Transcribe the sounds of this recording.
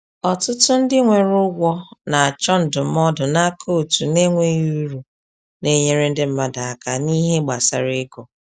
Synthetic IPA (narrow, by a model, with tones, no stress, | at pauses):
ɔ˨tʊ˦tʊ˦n̩˦dɪ˦ŋʷe˨ɾʊ˦ɡʷɔ˦na˨a˨t͡ʃɔ˦n̩˨dʊ˨m̩˦ɔ˦dʊ˨na˦kʰo˦˨tu˨ne˦ŋʷe˦ju˦ɾu˨ | ne˦ɲe˦ɾe˦n̩˦dɪ˦m̩˦ma˦da˨a˨ka˨ni˦ɦe˦ɡ͡ba˨sa̰˨ɾɪ˦ɡɔ˨